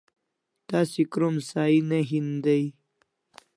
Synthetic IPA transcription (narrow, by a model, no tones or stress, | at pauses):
t̪asikɾomsaːineɦind̪ɐj